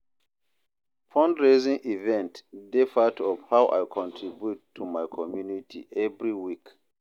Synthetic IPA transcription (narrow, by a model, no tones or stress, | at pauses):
pʰɔ̃ndɹezĩŋʔivɛ̃ntdefatʰɔfhawʔa̰jkʰɔ̃ntʰɹibjutʰːumajkʰɔmjunitʰḭʔɛvɹiwik